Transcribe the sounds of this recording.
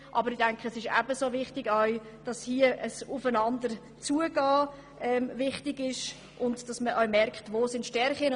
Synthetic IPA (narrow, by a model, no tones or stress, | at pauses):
ʔɑ̰bəɾɪdɛŋkχəəsɪʃæ̰bəsoːvɪχtɪɡœʏ | d̥ɑshiəʔəsʊfənɑndəɾ | t͡suəɡɑː | ʔɛːmvɪχtɪɡɪʃ | ʔʊndd̥ɑsməʔœɥmɛrkχtvoːsɪntʃtɛɾχin